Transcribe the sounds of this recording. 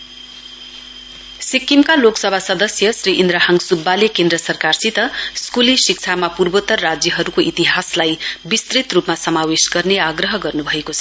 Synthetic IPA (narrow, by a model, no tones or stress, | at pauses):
sikːimkaloksʌbʱasʌd̪ʌsjʌsriʔind̪ɾaɦʌŋsubːalekend̪ɾʌsʌrkarsit̪ʌskulisik̚t͡sʰamapurbʌt̪ʌrːad͡zjʌɦʌɾukoʔit̪iɦaslajbist̪rit̪rupmasʌmawesɡʌrneaɡrʌɦʌɡʌrnubʱʌekot͡sʰʌ